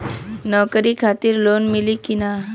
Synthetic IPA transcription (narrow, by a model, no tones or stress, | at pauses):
nɔwkɾiːkʰat̪iːɾlonmilikina